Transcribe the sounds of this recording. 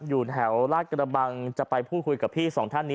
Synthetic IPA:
juː˨˩nɦɛ˩˦wlaː˥˩kɾa˧ba˧ŋt͡ɕa˨˩pa˧jpʰuː˥˩t̪̚kʰu˧jka˨˩pʰiː˥˩sɔː˩˦ŋt̪ʰa˥˩nːi˦˥

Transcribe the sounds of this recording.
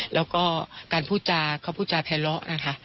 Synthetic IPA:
lɛː˦˥wkɔː˥˩kaː˨˧npʰuː˥˩t̚t͡ɕaː˧kʰaː˧˥˩wpʰuː˥˩t̚t͡ɕaː˧p̪ʰɛː˧lɔ˦˥ʔna˦˥kʰa˦˥ʔ

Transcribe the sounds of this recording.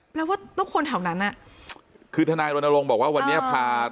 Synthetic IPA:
pʰɛ˦˥waː˥˩t̪ɔ˥˩ŋkʰo˧nt̪ʰaː˨˩˦wna˦˥nʔa˨˩ʔ | kʰɯː˧t̪ʰa˧naː˧jɾo˧nʔa˧lo˧ŋbɔː˨˩k̚waː˥˩wa˧nːi˦˥˩pʰaː˧

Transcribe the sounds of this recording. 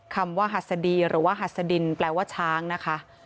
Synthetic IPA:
kʰa˧mwaː˥˩ɦa˨˩t̪̚sa˧diː˧ɾɯː˩˦waː˥˩ɦa˨˩t̪̚sa˧di˧nplɛː˧waː˥˩t͡ɕʰaː˦˥ŋna˦˥kʰa˦˥

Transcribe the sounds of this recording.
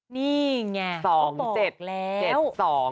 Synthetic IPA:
niː˥˩ŋa˧˩sɔː˩˦ŋt͡ɕe˨˩t̪̚lɛː˦˥t͡ɕe˨˩wsɔː˩˦ŋ

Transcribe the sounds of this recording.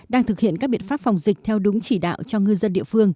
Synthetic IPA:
ɗaː˧ŋt̪ʰɨ˨˩k̚hḭ˧˨nkaː˦˥k̚ɓḭ˧˨ənfaː˦˥p̚fa˨˩wŋ͡mzï˨˩k̚t̪ʰɛ˧wɗʊ˨˦ŋ͡mt͡ɕi˧˩ɗa̰ː˧˨wt͡ɕɔ˧ŋɨ˧zə˧nɗḭ˧˨əfɨ˧əŋ

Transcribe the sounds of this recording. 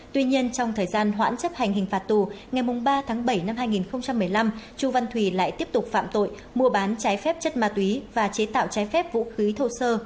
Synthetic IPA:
t̪wi˧ɲi˧ənt͡ɕɔ˧wŋ͡mt̪ʰəː˨˩jzaː˧nɦwa̰ː˧˥nt͡ɕə˦˥p̚ha˨˩jŋ̟hï˨˩ŋ̟faː˨˩t̚t̪u˨˩ | ŋa˨˩jmʊ˨˩ŋ͡mɓaː˧t̪ʰaː˨˦ŋɓə˧˩jna˧mhaː˧jŋi˨˩nxə˧wŋ͡mt͡ɕa˧mːɨ˨˩əjla˧mt͡ɕu˨˩va˧˩nt̪ʰwi˧˩la̰ː˧˨jt̪i˦˥əp̚t̪ʊ˨˩k͡p̚fa̰ː˧˨mt̪o̰˧˨j | mu˧əɓaː˨˦nt͡ɕaː˨˦jfɛ˦˥p̚t͡ɕə˦˥t̚maː˧˩t̪wi˨˦vaː˨˩t͡ɕe˨˦t̪a̰ː˧˨wt͡ɕaː˨˦jfɛ˦˥p̚vṵ˧˥xi˨˦t̪ʰə˧wsəː˧

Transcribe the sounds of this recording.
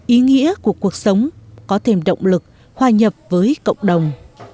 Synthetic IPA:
ʔi˨˦ŋḭ˧˥əku˨˩əku˨˩ək̚sə˨˦wŋ͡mkɔ˨˦t̪ʰe˧˩mɗə̰˧˨wŋ͡mlɨ˨˩k̚ | hwaː˧˩ɲə˨˩p̚vəː˨˦jkə̰˧˨wŋ͡mɗə˨˩wŋ͡m

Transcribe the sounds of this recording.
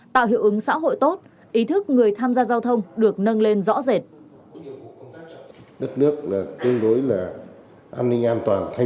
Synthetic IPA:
t̪a̰ː˧˨wɦḭ˧˨wʔɨ˨˦ŋsa̰ː˧˥ɦo̰˧˨jt̪o˦˥t̚ | ʔi˨˦t̪ʰɨ˦˥k̚ŋɨ˨˩əjt̪ʰaː˧mzaː˧zaː˧wt̪ʰə˧wŋ͡mɗɨ˨˩ək̚nə˧nle˧nzɔ̰˧˥ze˨˩t̚ | ɗə˦˥t̚nɨ˦˥ək̚laː˨˩t̪ɨ˧əŋɗo˨˦jlaː˨˩ | ʔaː˧nːï˧ŋ̟ʔaː˧nt̪waː˨˩nt̪ʰa˧

